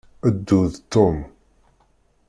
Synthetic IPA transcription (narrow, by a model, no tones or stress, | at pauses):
əd̪ːuðt̪ːom